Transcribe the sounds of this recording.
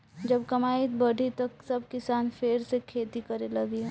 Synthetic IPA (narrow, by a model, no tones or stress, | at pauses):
d͡ʒɐbkɐmaːit̪bɐɽʱit̪ɐksɐbkɪsaːnfʰeːɾsekʰeːt̪ikɐɾelɐɡeɛ